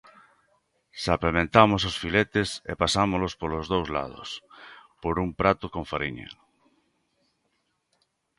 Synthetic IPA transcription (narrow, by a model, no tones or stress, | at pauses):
sapemẽnt̪amos̬osfilet̪esḛpasamolospolozðowzla̰ð̞o̰spoɾumpɾat̪ʊkõɱfaɾiɲa̰